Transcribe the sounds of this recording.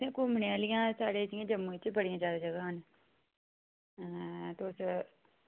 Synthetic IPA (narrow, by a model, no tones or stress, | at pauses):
ẽːkoːməneːlɪjãːsaːɽeːt̪ijãːd͡ʒəmːũẽt͡ʃbəɽijãːd͡ʒaːd̪ad͡ʒəɡaːn | t̪os